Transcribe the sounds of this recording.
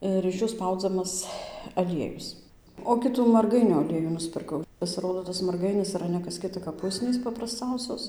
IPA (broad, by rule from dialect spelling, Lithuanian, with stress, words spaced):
ˌɪr ɪʃ ˈjuː ˈspɐʊd͡zɐmɐs ɐˈlʲiɛjʊs oː ˈkʲɪtuː mɐrˈɡɐɪnʲʊ ɐˈlʲiɛjuː nʊsʲpʲɪrˈkɐʊ pɐsʲɪˈroːdoː tɐs mɐrˈɡɐɪnʲɪs ɪˈrɐ nʲɛ kɐs ˈkʲɪtɐ kɐp ˈʊsʲnʲiːs pɐprɐsˈt͡sɐʊsʲoːs